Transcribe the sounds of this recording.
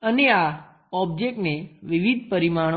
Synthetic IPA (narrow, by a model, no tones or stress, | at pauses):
ənea | ɔbd͡ʒek̚ʈneʋiʋid̪̚ʱpəɾimaɽ̃